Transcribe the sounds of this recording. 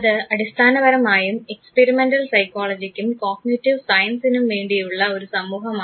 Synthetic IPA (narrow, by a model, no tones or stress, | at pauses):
ɐðɨɐɽist̪ʰaːnɐbɐɾɐmaːjume̞kspeɾimendɐlsɐjkːoːɭɐd͡ʑikʲːumkoːɡnitːiʋsɐjɐnsinumʋe̞ːɳɖijuɭːɐo̞ɾusɐmːuːɦɐmaː